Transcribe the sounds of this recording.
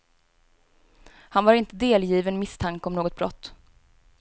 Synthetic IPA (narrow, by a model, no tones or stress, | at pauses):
hanvaɾɪnt̪əd̪eːljiːvənmɪst̪ʰaŋkəɔmnoːɡɔt̪̚bɾɔ̰t̪ː